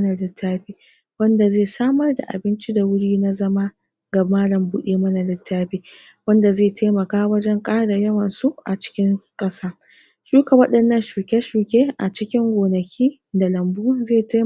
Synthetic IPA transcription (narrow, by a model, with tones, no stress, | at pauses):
na˨lɪ˦tʰːaː˦ɸiː˦ | wɐ˦nda˨zeː˦˨saː˦mɐ˦rda̰˨ʔa̰˨bɪ˦nt͡ʃi˦da˨wʊ˦ɽiː˦na˦zɐ˦ma˦ | ɡa˨maː˦lɐ˨mbʊ˦ʔeː˦mɐ˦na˨lɪ˦tʰːaː˦ɸiː˦ | wɐ˦nda˨zeː˦˨ta˦mɐ˨kaː˦wɐ˦d͡ʒɛ˦ŋkʼaː˦ɽa˨jɐ˦wɐ˨nsu˦ʔa˨t͡ʃɪ̥˦kʲɪ˦ŋkʼɐ˦saː˦ | ʃuː˦ka˨wɐ˦ɗɐ˨nːɐ˦˨nʃuː˨kʲe˦ʃuː˨kʲeː˦ʔa̰˨t͡ʃɪ˦kʲɪ˦ŋɡʷoː˨nɐ˨kʲʰiː˦ | da˨lɐ˨mbuː˦zeː˦˨ta˦